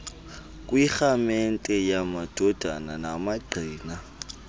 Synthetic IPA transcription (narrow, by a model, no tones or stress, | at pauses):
kʼwixamɛn̩tʼɛjamad̥ʱɔd̥ʱa̰nanamaɡ͡ǀʱiːna